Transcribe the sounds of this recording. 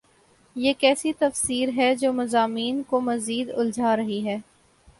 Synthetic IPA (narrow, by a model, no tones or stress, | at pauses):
jeːkɛːsit̪ɐfsiːɾɦɛd͡ʒoːmɐzaːmiːnkomɐziːd̪ʊld͡ʒʱaːɾɐɦiɦɛː